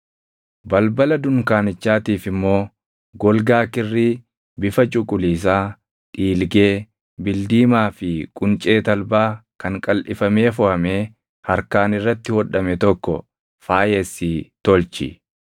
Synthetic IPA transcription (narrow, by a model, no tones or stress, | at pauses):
bɐlbɐlɐd̪ʊŋkaːnɪt͡ʃːaːt̪iːfɪmːo̞ː | ɡɔlɡaːkɪrːiː | bɪfɐt͡ʃʼʊkʼʊliːs̬aː | ᶑ̪ʼiːlɡe̞ː | bɪld̪iːmaːfɪkʼʊnt͡ʃʼe̞ːt̪ɐlbaːkɐŋkʼɐlʔɪfɐme̞ːfɔhɐme̞ː | hɐɾkaːnɪrːɐt̪ːɪhɔᶑɐmɛt̪ɔkːɔ̰ | faːjɛsiːt̪ɔlt͡ʃɪ̰